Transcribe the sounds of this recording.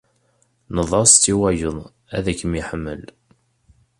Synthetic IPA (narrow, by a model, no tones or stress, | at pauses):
nəðˤɑst̪ːiwæjəðˤ | æ̰ðækːəmiħəmːə̰l